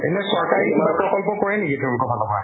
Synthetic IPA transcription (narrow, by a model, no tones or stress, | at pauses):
ɛ̰nɛsɔɹkaɹikbapɹɔkɔlpɔkɔɹɛnikitʰɛulkɔbʱalɔmɔa̰